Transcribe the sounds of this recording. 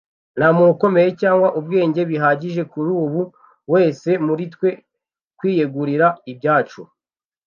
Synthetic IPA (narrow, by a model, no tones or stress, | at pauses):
namuuko̞me̞je̞caːŋɡwaʔub̚ɡe̞ːɲɟe̞βiɦaɟiʒe̞kuɾuːβu | we̞ːse̞muɾitwe̞ | kwiːjeɡuɾiɾaibɟaːt͡ʃu